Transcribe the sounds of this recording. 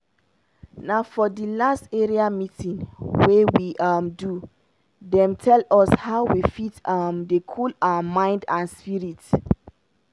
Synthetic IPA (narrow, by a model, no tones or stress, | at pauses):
naʊfɔdilasteɹiamitĩnwewiʔamdu | dɛ̃mtʰɛlɔshaʊwifitamdekʰɔlawamãɪ̃ndãnspiɹit